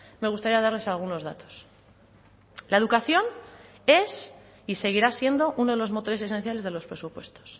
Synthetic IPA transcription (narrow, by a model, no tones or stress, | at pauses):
me̞ɣust̪aɾiað̞aɾle̞salɣ̞uno̞zðat̪o̞̥s | lae̞ðukaθjo̞n | e̞s | ise̞ɣ̞iɾasje̞nd̪o̞ʔuno̞ðe̞lo̞zmo̞t̪o̞ɾe̞s̬e̞se̞n̟θjale̞zðelo̞spɾe̞supwe̞̰st̪o̥s